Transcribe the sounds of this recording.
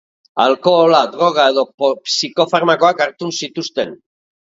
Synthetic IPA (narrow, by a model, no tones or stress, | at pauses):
a̰lko̞ːlad̪ɾo̞ɣ̞ae̞ðo̞popsiko̞faɾmako̞akaɾt̪unsit̪ust̪e̞n